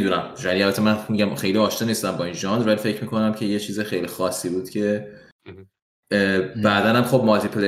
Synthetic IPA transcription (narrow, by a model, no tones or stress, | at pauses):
d̪unæmʋæliælbæt̪ʰːemænmiɟæmxe̞jliɒːʃnɒːnist̪æmbɒinʒɒnd̪ɾvælifecʰɾmiːkʰo̞næmcʰe̞je̞t͡ʃʰiːzexejlixɒːsːiːbuːd̪̥cʰe̞ | bæd̪ænæmxob̚mɒt̪ʰipʰule